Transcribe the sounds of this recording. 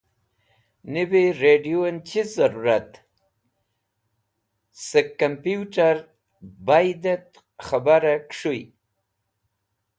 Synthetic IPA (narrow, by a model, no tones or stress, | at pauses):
nibiɾeɖijoent͡ʃizaɾuɾat̪ | səkːampjuʈaɾ | bajd̪et̪ | xabaɾakʂuj